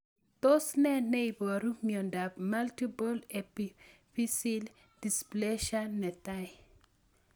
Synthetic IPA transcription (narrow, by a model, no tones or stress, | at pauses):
tosnɛnɛjbɔɾumjɔndapmaltipɔlɛpi | fisil | displeʃanːɛtaj